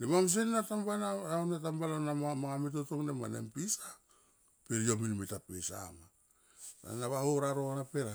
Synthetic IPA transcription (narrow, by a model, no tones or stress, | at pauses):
nemams̬ennatambanaaonat̬ambalonammaŋamit̬otoknema̰nḛmpisa | peɾiominmitapesa̰ma | na̰naβahoɾaɾo̞napeɾa